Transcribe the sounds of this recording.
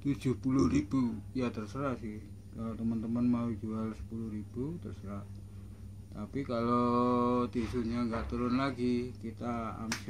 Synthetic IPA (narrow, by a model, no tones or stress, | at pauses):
t̪u̥d͡ʒ̥ʊhpulʊhrib̥ujat̪ərsəɾaʔsɪh | kalot̪əmənt̪əmənmaud͡ʒualsə̥pulʊhrib̥ut̪ərsəɾa | t̪apikalot̪isuɲaŋɡaʔt̪uɾʊnlaɡikit̪aa̰ms